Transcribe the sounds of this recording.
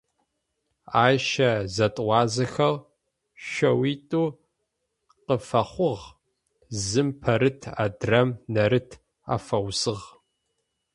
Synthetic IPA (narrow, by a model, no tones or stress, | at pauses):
aːʃɐzɐtʼwʷɑːzɐxɐl | ʃʷɐwiːtʼuː | qəfɐχʷʊʁ | zɨmpʰɐɾɨtʰa̰ːdrɐmnɐɾɨtʰ | a̰fɐwsɨʁ